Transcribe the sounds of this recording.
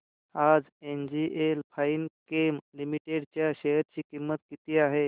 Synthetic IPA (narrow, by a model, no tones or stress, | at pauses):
ad͡z | end͡ʑiʔelpʰainkemlimiʈeɽt͡ɕjaɕeɦəɾt͡ɕiːkimːət̪̚kit̪iːaɦe